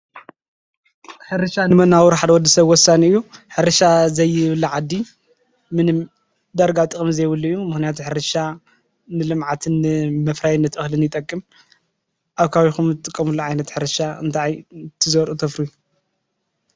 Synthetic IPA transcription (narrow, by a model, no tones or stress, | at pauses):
ħɨɾɨʃanɨmɐnawuɾħad̪wɔd̪ːɐsɐβwɔsːaniɨjːuħɨɾɨʃazɐjːɪβɨlːɨʕad̪ːi | mɨnɨm | d̪aɾɡat̪ʼɨkʼɨmzɐjβɨlːuɨjːumɨxnijat̪ʰuħɨɾɨʃa | nɨlɨmʕat̪ʰɨnːɨmɐfɾajɪnːɐt̪ʔɨxlɨnjɪt̪ʼɐkʼːɨm | ʔaβkʰaβixumt̪ʼɨkʼːɐmulːuʕajnɐt̪ħɨɾɨʃaɨ̰nt̪ʰaʕjt̪ʰɨzɐwɾʔut̪ʰɐfɾuju